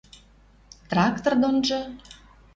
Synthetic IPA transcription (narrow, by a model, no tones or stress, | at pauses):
t̪rɑkt̪ord̪onʒɤ